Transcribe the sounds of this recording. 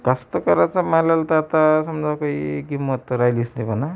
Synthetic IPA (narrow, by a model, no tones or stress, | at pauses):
kast̪okaɾat͡samalalt̪at̪asʌmd͡zakojɡimːʌt̪ɾajlisnekona